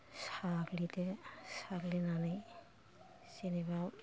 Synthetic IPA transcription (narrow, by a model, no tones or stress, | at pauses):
saɡlitɛsaɡlinana | siniba